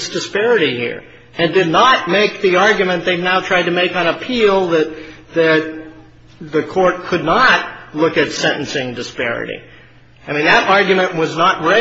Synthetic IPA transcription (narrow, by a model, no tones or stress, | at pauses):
sd̥ɨspɛɹɨɾihḭɹ | ɨ̃ndɨdⁿnət̚meɪk̚ðiɑɹɡjɨmɨ̃nðeɪvnaʊtʰɹ̥aɪd̚tɨmeɪkə̃nəpʰilˠðɨt̪̚ | ðɨt̪̚ | ðɨkʰɔɹt̚kʰɨdⁿnət̚lʊkɨtsɛ̃ñʔn̩sɪ̃ŋdɨspɛ̰ɹɨ̰ɾḭ | aɪmĩnðɨɾʔɑɹɡjɨmɨ̃nʔwʌznət̚ɹɛ